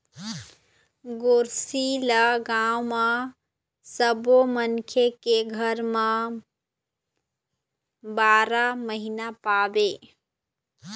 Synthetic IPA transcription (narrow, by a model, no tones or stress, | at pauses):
ɡoːɾsiləɡaːwmã | səbomənkʰekeɡʱəɾmã | baːɾaməɦinapaːbeː